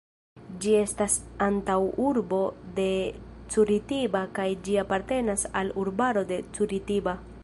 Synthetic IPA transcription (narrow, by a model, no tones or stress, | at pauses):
d͡ʒie̞stasantawuɾbo̞de̞ | t͡suɾitibakajd͡ʒiapaɾte̞nasaluɾbaɾo̞de̞t͡suɾitiba